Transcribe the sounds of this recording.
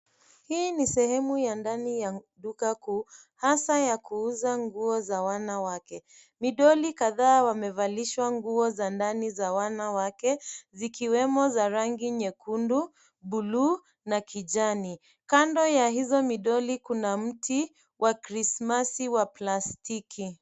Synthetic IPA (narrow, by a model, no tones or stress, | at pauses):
hiːnisɛhɛmujandanijaɗukakuː | hasajakuuzaŋɡuɔzawanawakɛ | miɗɔlikaðaːwamɛvaliʃwaŋɡuɔzandanizawanawakɛzikiwɛmɔzaɾaŋɡiɲɛkundu | ɓulu | nakʰid͡ʒani | kandɔjaɦizɔmiɗɔlikunam̩tʰi | wʔakɾismasiwaplastikʰi